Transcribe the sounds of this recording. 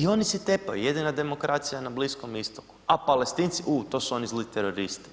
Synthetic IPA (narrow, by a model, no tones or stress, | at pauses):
io̞nisit̪epa̰jṵjed̪inad̪e̞mo̞kɾat̪sijanabliskomist̪oku̥apalest̪iːnt̪siʔuːt̪o̞suo̞nizlit̪eɾoɾist̪i̥